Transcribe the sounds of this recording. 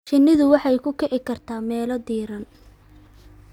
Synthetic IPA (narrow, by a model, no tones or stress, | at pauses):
t͡ʃɪnːɪðʊwɑħɑjkʰʊkʰɛʕɪkʰɐrt̪ʰaːmɛːlɔd̪iːɾɐn